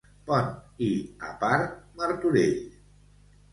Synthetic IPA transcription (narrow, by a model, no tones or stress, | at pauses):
pɔnia̰paɾməɾt̪uɾeʎ